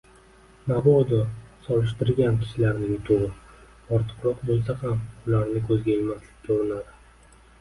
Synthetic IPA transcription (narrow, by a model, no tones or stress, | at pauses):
nabɒd̪ʊsɒlɪʃt̪ɪɾɡʲankʲʰɪ̥ʃɪlaɾnɪŋt̪ʰoɾɨ | ɒɾt̪ʰɨ̥qɾɒqbolˠs̬ahamʊlaɾnɪkʲʰɵzɡʲaelmaslɪkʲːʰoɾɪnad̪ɪ